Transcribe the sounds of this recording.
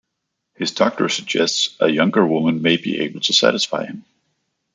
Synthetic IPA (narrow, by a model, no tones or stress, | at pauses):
hɨzdɔk̚tʰə˞sɨɡ̚d͡ʒɛstsʔəjʌ̃ŋɡə˞wʊmə̃nmeɪbḭʔḛɪbl̩ˠtʰɨsæ̰ɾɨsfaɪɨ̃m